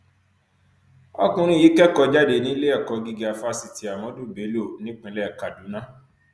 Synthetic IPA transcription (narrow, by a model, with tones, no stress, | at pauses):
ɔ̰˦kũ˧ɾ̃ĩ˦˨ji˨˦kɛ˦˨kɔ˧d͡ʒa˦de˨˧˨nĩ˦le˦ɛ˦˨kɔ˨˧ɡi˧ɡi˨˦a˨˧fa˦si˨ti˨˦a˨mɔ̃˨˦du˦˨be˨˦li˦o˦˨nĩ˦k͡pĩ˨˦lɛ˦˨ka˨du˨˦nã˦